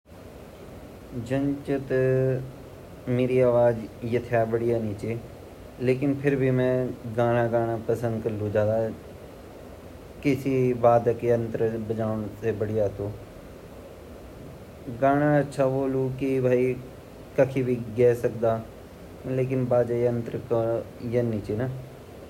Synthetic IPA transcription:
d͡ʒənt͡ʃət̪ə | meːɾiaːʋaːd͡ʒjɐt̪ʰɪjabəɽijaniːt͡ʃeː | leːkɪnpʰɪɾbʱimɛ̃ːɡaːɽ̃aɡaːɽ̃apəsə̃nd̪kəlud͡ʒãːd̪aː | kɪsibaːd̪keə̃nt̪ɾbəd͡ʒaːʋɳsebəɽijat̪oː | ɡaːɽ̃aətːʃʰaboːlũkibʱaːi | kəkʰibʱiɡɛːsəkd̪aː | leːk̬ɪnbaːd͡ʒaːənt̪ɾkəjənit͡ʃeːna

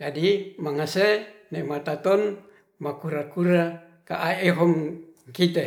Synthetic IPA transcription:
d͡ʒadimaŋasenemat̪at̪ɔn | makuɾakuɾa | kaʔaeɦɔmkit̪e

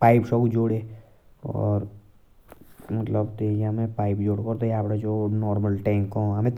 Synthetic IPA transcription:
paːɪpʃɔːkd͡ʒoːɽe | ɔ̰ːɾ | mɐt̪ləbt̪eamẽpaːɪpd͡ʒoːɽkoːɾt̪ojaːpɾad͡ʒoːnɔːɾməlʈɛ̃ːŋkõɦɐmẽt̪

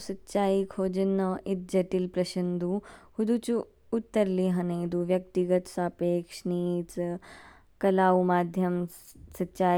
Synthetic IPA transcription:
sɐtːɕaːikʰoːd͡ʒɐnːɐʔit̪̚d͡ʒɐʈilpɾɐʃind̪ʱuhud̪ut͡ʃuː | t̪ːəɾliɦɐneːd̪uʋjɐk̚t̪iɡɐt̪saːpeːkʂnit͡s | kɐlaːʋumaːd̪ʱjɐm | sɐtːʃaː

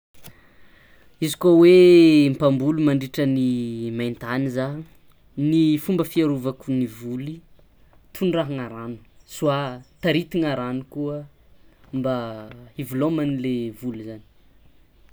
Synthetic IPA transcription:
izikowempambulumaɳɖ͡ʐiʈ͡ʂənimant̪aniza | nifumbəfiaɾuvakunivuli | t̪ʰunraɦaŋaɾanu̥suat̪aɾit̪iŋaɾanukuə | mbaivulomanilevuluzani̥

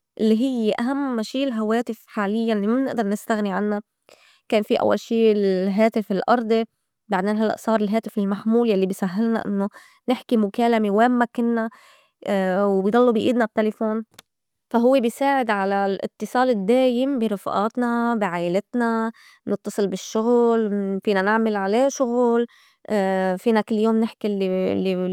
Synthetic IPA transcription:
ʔɪlːiɦɪjːeʔaɦamːʃiːlɦawaːt̪ɪfħaːlɪjːanlːimabnɪʔd̪ɑɾˤnɪst̪aɣniʕanːa | keːnfiʔa̰wːa̰lʃiːɦaːt̪ɪfɪlʔɑɾˤd̪ˤi | baʕd̪eːnɦalːa̰ʔsˤɑːɾˤɪlɦaːt̪ɪfɪlmaħmuːljalːibiːsaɦːɪlna̰ʔɪ̰nːo | nɪħkimʊkaːlamewaːmːakɪnːa | wbjd̪ˤɑlːubiʔiːd̪nab̚t̪elefoːn | faɦʊwːebisaːʕɪd̪ʕalalʔɪ̰t̪ːɨsˤɑːlɪd̪ːeːjɪmbiɾˤɑfʔɑ̰ːt̪nabiʕaːʔɪlɪt̪na | nɨt̪ːɑsˤɨlbɪʃːʊɣlfiːnanɪʕmalʕaleːʃʊɣuːl | fiːnakɪlːjoːmnɪħkilːlːi

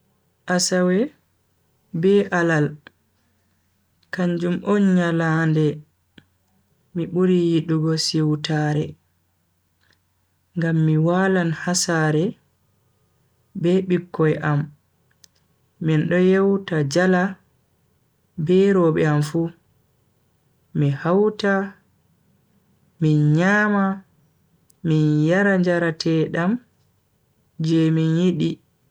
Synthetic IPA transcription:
ʔasawɛ | bɛʔalal | kaɲd͡ʒumʔɔnɲalandɛ | miɓuɾijiɗuɡɔsiwtaːɾɛ | ŋɡamːiwaːlanhasaɾɛ | bɛɓikːɔjʔam | inɗɔjewtad͡ʒala | bɛɾɔɓɛamfu | mihawta | minɲaːma | minjaɾaɲd͡ʒaɾatʰɛːɗam | d͡ʒɛminjiɗi

